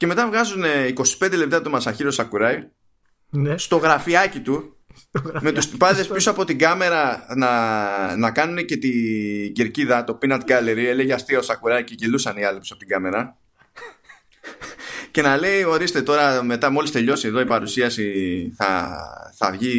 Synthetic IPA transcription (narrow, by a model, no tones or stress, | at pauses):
ce̞me̞t̪ɐvɣɐzune̞iko̞si̥pe̞nd̪ele̞p̚t̪ɐt̪omɐsɐçiɾosɐkuɾɐj | st̪o̞ɣɾɐfiɐcit̪u | me̞t̪ust̪ipɐðespjusɐpo̞t̪iɡɐme̞ɾɐnɐnɐkɐnune̞ce̞t̪iɟeɾciðɐt̪o̞pinɐt̪̚ɡɐleɾieleʝeɐst̪iɐosɐkuɾɐjce̞cilusɐniɐlipusɐpot̪iɡɐme̞ɾɐ | ce̞nɐle̞io̞ɾist̪e̞t̪o̞ɾɐme̞t̪ɐmo̞list̪e̞ʎo̞sieðo̞ipɐɾusiɐsiθɐ̰θɐvʝi